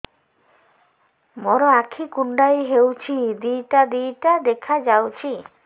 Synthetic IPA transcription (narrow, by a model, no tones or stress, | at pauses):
mɔɾɔakʰikuɳɖajɦewt͡ʃʰid̪ijʈad̪ijʈad̪ekʰad͡ʒawt͡ʃʰi